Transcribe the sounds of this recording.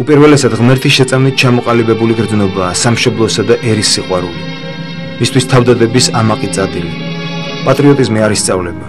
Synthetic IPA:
upʼiɾvɛlɛsad̪ʁmɛɾt̪ʰisʃɛt̪sʼamnit̪̚t͡ʃʰamɔqʼalibɛbuliɡɾd̪znɔbaːsamʃɔblˠɔsad̪aʔɛɾisːiqʼwaɾuli | mist̪ʰwist̪ʰavd̪ad̪ɛbisamaqʼit̪sʼad̪ili | pʼat̪ʼɾiɔt̪ʼizmiaɾist̪sʼavlɛba

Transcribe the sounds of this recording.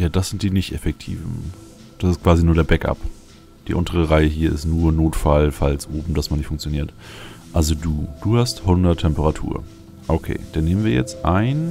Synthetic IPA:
jaːdasz̥ɪnt̚d̥iːnɪçtʔefɛk̚tʰḭːvn̩ | d̥asɪstkv̥aːzinuːɐɾeːɐbɛkʔa̰p | d̥ḭːʔʊntəʁəʁaɪəɦiːɐʔɪ̰stnuːɐnoːtfalfalsʔoːbm̩dasmanɪçtfʊŋkt͡sjoniːɐtʔalzoduːd̥uːhasthʊndɐtʰːɛmpəʁatʰṵːɐ | ʔokʰḛːd̥aneːmənviːɐjɛ̰t͡stʔaɪn

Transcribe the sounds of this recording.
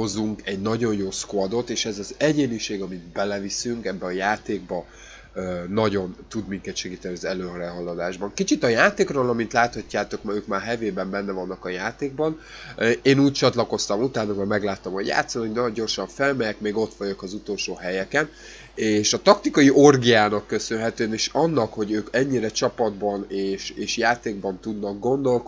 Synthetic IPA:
ho̞zuŋkɛɟnɒɟo̞njoːskoɒd̪o̞t̪eːʃɛzɒzɛɟeːniʃeːɡɒmid̪bɛlɛvisyŋkɛbːɛɒjaːt̪eːɡ̚bɒ | ønɒɟo̞nt̪ud̪miŋkɛt̪ʃɛɡiːt̪ɛniɒzɛløːɦɒɾɛɦɒlːɒd̪aːʒbɒŋkit͡ʃit̪ɒjaːt̪eːkroːlɒmint̪laːt̪hɒcːaːt̪o̞kmøːkmaːrɦɛveːbɛmbɛnːɛvɒnːɒkɒjaːt̪eːɡ̚bɒn | eːnuːc̚t͡ʃɒt̪lɒko̞st̪ɒmut̪aːnomɒmɛɡlaːt̪ːomoɟja̰ːt̪sɒnoɟnɒɟo̞rʃɒɱfɛlmɛjɛkmeːɡo̞t̪ʋɒɟokɒzut̪o̞lʃoːɦɛjɛkɛn | eːʃɒt̪ɒkt̪ikɒjiʔo̞rɡijaːnɒkːø̞sønɦɛt̪øːɛneʃɒnːɒkho̞ɟøːkɛɲːiɾɛt͡ʃɒpɒd̪bɒneːʃeːʃjaːt̪eːɡbɒnt̪ud̪nɒɡ̚ɡo̞nd̪o̞lk

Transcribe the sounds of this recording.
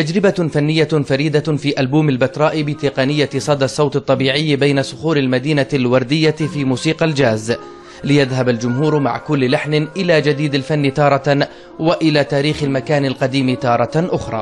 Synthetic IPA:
t̪ad͡ʒɾɪbafanːɪjːafaɾiːd̪afiːʔalbuːmalbat̪ɾˤɑːʔɪbɪt̪ɪqɑnɪjːasˤɑd̪ɑsˤːɑwt̪ɨt̪ˤːɑbiːʕɪjːbajnasʊxuːɾɪlmad̪iːnalwɑɾˤd̪ɪjːafiːmuːsiːqɑld͡ʒaːz | lɪjaðɦabald͡ʒʊmɦuːɾma̰ʕkʊlːlaħnʔɪlaːd͡ʒad̪iːd̪alfanːɪt̪ɑːɾˤɑ | waʔɪlaːt̪aːɾiːxɪlmakaːnalqɑd̪iːmɪt̪ɑːɾˤɑʔʊxɾˤɑ̰ː

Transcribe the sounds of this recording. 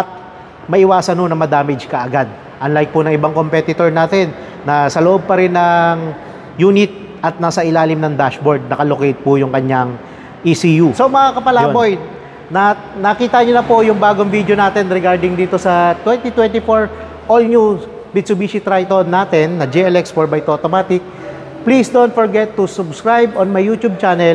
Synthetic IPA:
ʔɐt̪̚ | mɐʔɪwaːsɐnːonɐŋmɐd̪aːmɪd͡ʒkɐʔɐɡad̪̚ | ʔɐnlajk̚pʊnɐŋɪbaŋko̞mpɛt̪ɪt̪oɹnaːt̪ɛnː | ɐsɐloʔob̚pɐɾɪnɐŋ | juːnɪt̪̚ | ʔɐt̪̚naːsɐʔɪlaːlɪmnɐŋd̪aʃboɹd̪̚nɐkɐlokejt̪̚pʊjʊŋkɐɲaŋ | ʔisijusomɐŋakɐpɐlaːboj | nɐ | nɐkiːt̪ɐɲonɐpojʊŋbaːɡoŋvid̪jonaːt̪ɛnɾɛɡaɹd̪ɪŋd̪iːt̪o̞sɐt̪wɛnt̪it̪wɛnt̪ɪfoɹ | ʔolɲus | bɪd̪sʊbiːʃit̪ɾajt̪onːaːt̪ɛnːɐd͡ʒɛɛlɛkspɔɹbɐjt̪ot̪omaːt̪ɪk̚ | plisd̪ont̪̚foɹɡɛt̪ːusʊbskɹajbonmɐjːuːt̪ub̚t͡ʃanɛl

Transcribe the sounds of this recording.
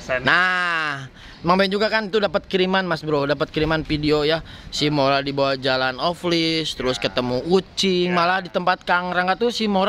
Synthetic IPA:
na | maŋband͡ʒuɡakanit̪udapət̪̚kɾimanmasbɾodapət̪̚kəɾimanfidioja | sɪhmoɾadibawahd͡ʒalanoflɪst̪əɾʊskət̪əmuut͡ʃɪŋmalahdit̪əmpat̪̚kaŋɾaŋɡat̪usɪhmoɾa

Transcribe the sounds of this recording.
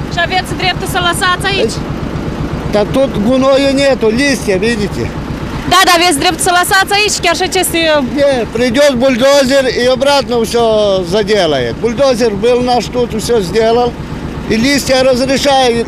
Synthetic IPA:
ʂɐvʲet̪sd̪ɾʲep̚t̪ʊsɐlˠɐsat̪t͡s̪ɐit͡ʃ | t̪ɐt̪ut̪ɡʊnojʊnʲet̪ʊlʲisʲt̪ʲjɐʋʲidʲɪtʲɪ̰ | d̪ad̪aʋʲesd̪ɾʲept̪ʊ̥sɐlˠɐsat̪sɐjit͡ʃkʲɛrʂɛt͡ʃesʲt̪ʲɪnʲepɾʲɪdʲot̪̚bʊlʲd̪ozʲɪriɐbɾat̪nəfsʲozɐdʲelˠəjɪt̪̚bʊlʲd̪ozʲɪrbɨlˠnaʂt̪ut̪fsʲozʲdʲelˠəlˠ | ilʲisʲt̪ʲjaɾəzɾʲɪʂajʊt̪

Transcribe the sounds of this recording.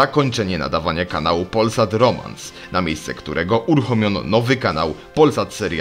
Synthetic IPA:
akɔɲt͡ʂɛɲɛna̰d̪avaɲakanawupɔlsat̪ɾɔma̰ns | namʲjejst̪sɛkt̪uɾʔɛɡɔʔuɾuxɔmʲjɔnɔ̰nɔvɘkana̰wpɔlsat̪sɛɾja

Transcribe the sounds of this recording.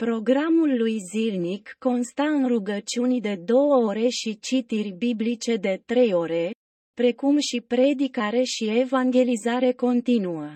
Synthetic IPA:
pɾo̞ɡɾamulːujzilnikːo̞nst̪aɨnruɡət͡ʃiunʲd̪e̞d̪o̞wəo̞ɾe̞ʃit͡ʃit̪irʲbiblit͡ʃe̞d̪e̞t̪ɾe̞jo̞ɾe̞ | pɾe̞kumʃipɾe̞d̪ikaɾe̞ʃie̞vaŋɡʲe̞lizaɾe̞ko̞nt̪inuə

